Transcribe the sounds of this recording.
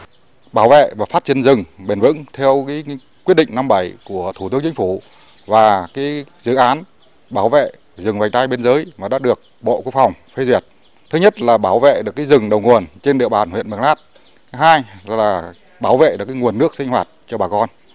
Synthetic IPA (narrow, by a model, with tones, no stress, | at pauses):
ɓaː˧˩wvḛ˧˨vaː˨˩faː˦˥t̚t͡ɕi˧˦ənzɨ˨˩ŋɓe˨˩nvɨ̰˧˥ŋt̪ʰɛ˧əwkaː˨˦ | kwt̚ɗḭ̈˧˨ŋ̟na˧mɓə˧˩jku˧˩ət̪ʰu˨˧˩t̪ɨ˧əŋt͡ɕï˧˥ŋfu˧˩ | vaː˨˩kaː˨˦jzɨ̰˧˨ʔaː˨˦n | ɓaː˧˩wvḛ˧˨ | zɨ˨˩ŋva˨˩j̚t̪aː˧jɓe˧nzəː˨˦jmaː˨˩ɗa̰ː˧˥ɗɨ˨˩ək̚ɓo̰˧˨kwu˦˥ək̚fa˨˩wŋ͡mfe˧zwi˨˩ət̚ | t̪ʰɨ˨˦ɲə˦˥t̚laː˨˩ɓaː˧˩wvḛ˧˨ɗɨ˨˩əkːaː˨˦zɨ˨˩ŋɗə˨˩wŋu˨˩ənt͡ɕe˧nɗḭ˧˨əɓaː˨˩nhwḭ˧˨ənmə˨˩ŋlaː˦˥t̚ | ɦaː˧jaː˨˩ | ɓaː˧˩wvḛ˧˨ʔɗɨ˨˩əkaː˨˦ŋu˨˩ənːɨ˦˥ək̚si˧ŋ̟hwaː˨˩t̚t͡ɕɔ˧ɓaː˨˩kɔ˧n